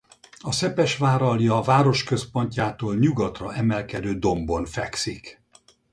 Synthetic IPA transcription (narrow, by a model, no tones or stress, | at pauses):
ɒsɛpɛʃʋaːɾɒljɒvaːɾo̞ʃkø̞spo̞ɲcaːt̪oːlɲuɡɒt̪rɒʔɛmɛlkɛd̪øːd̪o̞mbo̞nfɛksik